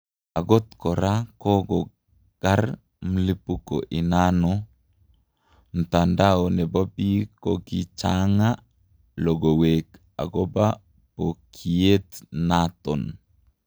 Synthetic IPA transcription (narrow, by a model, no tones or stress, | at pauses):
aɡɔt̪kɔɾakoɡɔ | ɡ̥ar | mlipuko̰ʔinanɔ | n̩tandaɔnɛbɔbikoɡit͡ʃaŋa | loɡowek | a̰ɡɔba | pokʰiet̪nat̪ɔn